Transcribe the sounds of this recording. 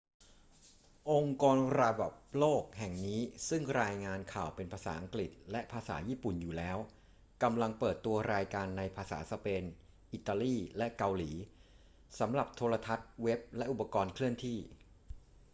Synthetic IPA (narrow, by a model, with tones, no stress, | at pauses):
ʔo˧ŋkɔː˧nɾaː˧ba˨˩p̚loː˥˩k̚hɛ˨˩ŋniː˦˥sɯ˥˩ŋɾaː˧jŋaː˧nkʰaː˨˩wpe˧npʰaː˧sa̰ː˩˦ʔa˧ŋkli˨˩t̪̚lɛ˦˥ʔpʰaː˧sa̰ː˩˦jiː˥˩pu˨˩njuː˨˩lɛː˦˥w | ka˧mla˧ŋpɤː˨˩t̪ːu˧ɐɾaː˧jkaː˧nːa˧jpʰaː˧sa̰ː˩˦sa˧peː˧n | ʔi˨˩t̪ːaː˧liː˥˩lɛ˦˥ʔka˧wliː˩˦ | sa˩˦mɾa˨˩p̚t̪ʰoː˧ɾa˧t̪ʰa˦˥t̪̚we˦˥p̚lɛ˦˥ʔu˨˩pːa˧kɔː˧nkʰlɯ˥˩əŋt̪ʰiː˥˩